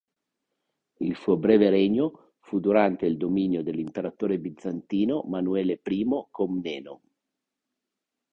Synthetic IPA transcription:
ilsuːobɾɛːveɾeɲːo | fud̪uɾant̪eild̪ominjod̪elːimpeɾat̪oːɾebid̪zːant̪iːnomanuɛːlepɾiːmokomnɛːno

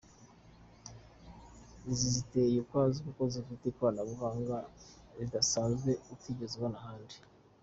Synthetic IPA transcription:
zizitejukwaːzikukozifitekuwaːnaβuɡaːŋɡa | zidasaːzɡe̞utiːɟezeβonahaːndi

